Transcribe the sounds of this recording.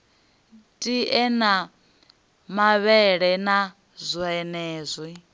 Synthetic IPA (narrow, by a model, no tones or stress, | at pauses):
tʼiʔɛna | maβɛɺɛna | zʷuɛnɛːzʷi